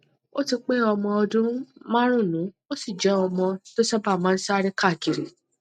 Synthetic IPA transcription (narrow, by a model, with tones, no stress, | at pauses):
o˦ti˧k͡pe˦ɔ˧mɔ̃˧ɔ˧dũ˦mã˦ɾ̃ũ˦˨nũ˨˦ | o˦si˦˨d͡ʒɛ˨˦ɔ˧mɔ̃˧to˦sɛ˦ba˦˨mãː˦n̩˦sa˦˧ɾi˦ka˦˨ki˨ɾi˨